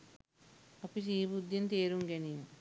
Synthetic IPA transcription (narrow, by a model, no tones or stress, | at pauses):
ɐpis̬iːbud̪ʱjint̪eːɾuŋɡeni